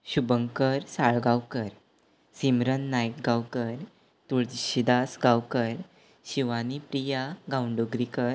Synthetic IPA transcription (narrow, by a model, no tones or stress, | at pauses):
ɕubəŋkəɾsaɭɡawkəɾ | simɾənːajkɡawkəɾ | t̪uɭd͡ʑɕid̪asɡawkəɾ | ɕiʋanipɾijaɡawɳɖoɡɾikəɾ